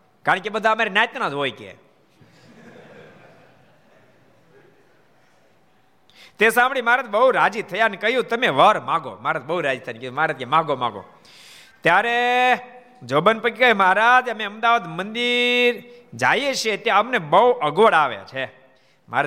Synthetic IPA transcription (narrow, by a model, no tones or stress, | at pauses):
kaɳ̃kebəd̪ʱaəmaɾenajt̪nad͡ʒ̪ɦojkḛ | t̪esãmbɽimaɾat̪bəɦuɾad͡ʒit̪ʰəjanekəɦjũt̪əmeʋəɾmãɡo̰maaɾat̪̚bəuɾad͡ʒit̪ʰəjankd̪umaaɾad͡ʒ̪kemãɡomã̰ɡo̰ | t̪jaɾe | d͡ʒobənpəkikəeməɦaɾad͡ʒəmeəmd̪aʋad̪mənd̪iɾd͡ʒajet͡ʃʰet̪jaəmnebəuʔəɡʋəɽaʋḛt͡ʃʰe | ma̰